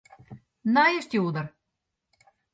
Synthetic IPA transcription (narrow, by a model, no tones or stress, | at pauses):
nɑjĕʃt̪ʲeud̪ɤ̆r